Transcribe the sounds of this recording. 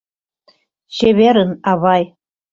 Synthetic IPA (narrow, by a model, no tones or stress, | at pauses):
ɕeβeɾə̆nɑβɑj